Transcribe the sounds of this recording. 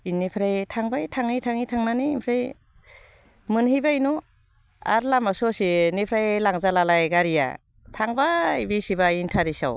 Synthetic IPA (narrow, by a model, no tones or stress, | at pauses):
inːipʰɾajtʰaŋbajtʰaŋitʰaŋitʰaŋnaniːmpʰɾaj | mɯnhibajnu | a̰ɾlamasɔsinipʰɾajlaŋzalalajɡaɾija̰ | tʰaŋbajbisibaintʰaɾisa̰w